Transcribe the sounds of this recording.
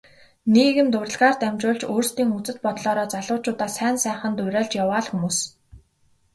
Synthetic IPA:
neːɣɘ̆nt̪ʊɾrə̆ɮʁaːrt̪æmʲt͡ɕʊːɮt͡ɕoːrst̪iːŋut͡sɘ̆t̪̚pɔt̪ɮɔːɾɔːt͡saɮʊːt͡ɕʊːt̪aːsæːnsæːχə̆nt̪ʊwʲɾʲæːɮt͡ɕjawaːɮxumuːs

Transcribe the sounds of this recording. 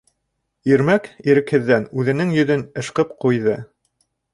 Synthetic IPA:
iɾmækiɾɘ̆khɘ̆ðːænʉðɘ̆nɘŋjɵ̆ðɵnɤ̆ʃqɤp̚qujðɤ

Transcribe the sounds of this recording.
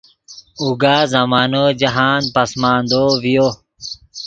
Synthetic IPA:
uɡaːzɐmaːnoːd͡ʑɐɦaːnpɐsmaːnd̪oːʋijoː

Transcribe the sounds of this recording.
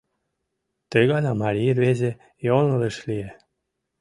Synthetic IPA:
t̪əjɣɑnɑmɑɾʲirβeze | jonəleʃlie

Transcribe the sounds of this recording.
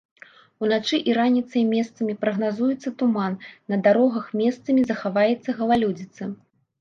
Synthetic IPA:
unat͡ʂɨʔiɾanʲit̪sɐjmʲɛst̪sɐmʲipɾɐɣnazujɛt̪sːɐt̪umanːɐd̪aɾɔɣɐxmʲɛst̪sɐmʲizɐxavajɛt̪sːɐɣɐlˠalʲud͡zʲit̪sɐ

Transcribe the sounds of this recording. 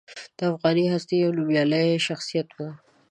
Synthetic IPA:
d̪̥əafɣɑniɦast̪iawlubjɑləjʃaxsijat̪wu

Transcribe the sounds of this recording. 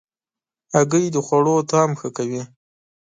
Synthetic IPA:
aɡəjd̪əxwaɽot̪ɑmxəkawi

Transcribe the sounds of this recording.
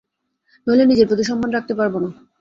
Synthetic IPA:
melenid͡ʑeɾpɾot̪iʃɔmbanɾak̚t̪epaɾbona

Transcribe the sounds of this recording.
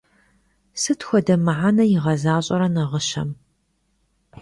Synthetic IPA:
sɨtxʷɔdɐmɨʕanɐjɪʁɐzaːɕʼɐɾɐnɐʁəʃɐ̰m

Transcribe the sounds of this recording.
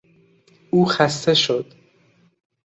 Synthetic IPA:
uːxæst̪e̞ʃo̞d̪̥

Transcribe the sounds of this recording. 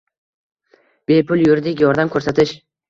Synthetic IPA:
b̥e̞pʰʊlˠjʊɾd̪ɪkʲjɒɾd̪amkʰɵɾsat̪ʰɪʃ

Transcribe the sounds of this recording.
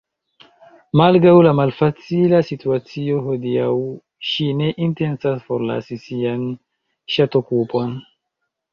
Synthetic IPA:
malɡɾawlamalfat͡silasituat͡sioɦodiaw | ʃine̞ʔinte̞nsasfoɾla̰sisian | ʃatokupo̞n

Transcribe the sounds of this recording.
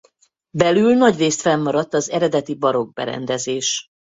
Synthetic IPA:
bɛlylnɒɟreːst̪fɛmːɒɾɒt̪ːɒzɛɾɛd̪ɛt̪ibɒɾo̞ɡ̚bɛ̰ɾɛ̰nd̪ɛzeːʃ

